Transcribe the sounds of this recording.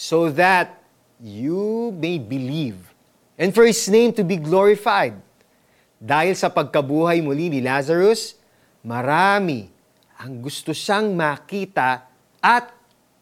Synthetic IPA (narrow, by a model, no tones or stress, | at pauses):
soðɐt̪̚ | jumejbɪliv | ʔɛ̃nd̪fɔɹhɪsnẽɪ̃mt̪ʊbiɡloɹɪfajd̪̚ | d̪aːhɪlsɐpɐɡ̚kɐbuːhɐjmʊlinɪlazɐɹos | mɐɾaːmɪ̰ | ʔɐŋɡʊst̪oʃaŋmɐkiːt̪ɐ | ʔɐt̪̚